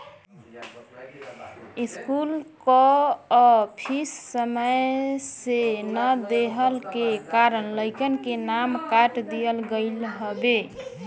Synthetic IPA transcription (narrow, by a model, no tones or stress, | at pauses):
iskulkɔɔpʰisːəməjsenəd̪eɦəlkekaɾənləɪkənkenamkaʈd̪ijəlɡəɪlɦəbe